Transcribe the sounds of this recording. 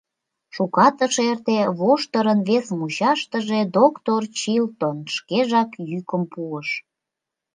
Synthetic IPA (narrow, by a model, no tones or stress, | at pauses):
ʃukɑt̪əʃert̪eβoʃt̪əɾənβesmut͡ɕɑʃt̪əʒed̪okt̪ort͡ɕilt̪onʃkeʒɑkjykəmpuəʃ